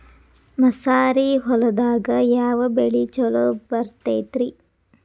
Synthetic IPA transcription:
mɐsaːɾiɦɔlɐd̪aːɡɐjaːʋɐbeɭit͡ʃɔlobɐɾt̪eːt̪ɾi

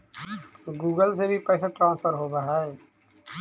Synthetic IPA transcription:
ɡuːɡəlsebʱipɛːsaʈɾãːnspəɾɦoːbaɦɛe

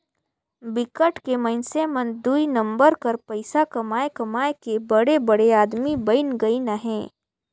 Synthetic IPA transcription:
bɪkəʈkemɐɪnsemɐ̃nd̪uinɐ̃mbəɾkɐɾpɐɪsakɐmaːekɐmaːekebɐɽebɐɽeaːd̪mibɐɪnɡɐinaɦɛ̃ː

